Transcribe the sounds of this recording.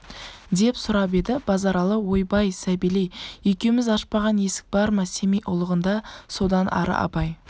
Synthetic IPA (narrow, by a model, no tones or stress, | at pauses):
d̪e̞psʊɾɑp̬e̞d̪ɪb̥ɑzɑɾɑlˠəwo̞jbɑjsæbilejejkʲewmɪzɑʃpɑʁɑnje̞sɪ̥k̚bɑɾmɑse̞mejʔʊlˠəʁənd̪ɑso̞d̪ɑnʔɑ̰ɾə̰ʔɑ̰pɑj